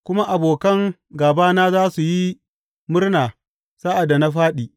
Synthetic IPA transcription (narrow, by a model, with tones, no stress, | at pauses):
kʷʊ˦ma˦ʔa˨boː˨kɐ˦ŋ | ɡaː˨baː˦naː˦zaː˦su˨ji˦ | mʊ˦rnaː˨ | sa˦ʔa˨da˨na˦ɸaː˦ɗiː˨